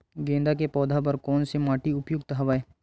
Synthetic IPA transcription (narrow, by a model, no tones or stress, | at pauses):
ɡẽːnd̪ak̬epɔːd̪ʱapɐɾkɔːnsemaːʈiʊpjʊɡ̚t̪ɐɦɐʋaːeː